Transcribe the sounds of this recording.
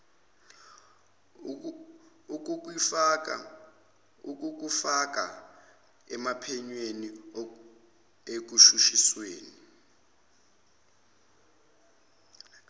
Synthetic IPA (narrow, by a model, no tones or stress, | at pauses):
uk̬uk̬wifak̬a̰ | uk̬uk̬ufak̬ʼa̰ | ɛmapʰɛɲweni | ek̬uʃuʃisweːni